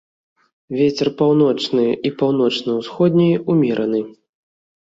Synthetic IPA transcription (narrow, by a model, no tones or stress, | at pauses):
vʲet͡sʲɛrpawn̪ɔt͡ʂnɨʔipawn̪ɔt͡ʂnɐwsxɔd̪ʲnʲijumʲɛɾʔɐnɨ